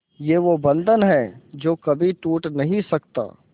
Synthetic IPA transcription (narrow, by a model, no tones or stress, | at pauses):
jeːʋobɐ̃nd̪ʱənɦɛd͡ʒoːkɐbʱit̪uːʈnɐɦĩsɐkt̪a̰ː